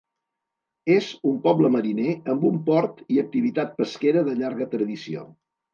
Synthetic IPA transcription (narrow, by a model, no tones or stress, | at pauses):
ezumpɔbləməɾineəmbumpɔɾt̪iək̚t̪iβit̪at̪̚pəskeɾəðəʎaɾɣət̪ɾəðisio̰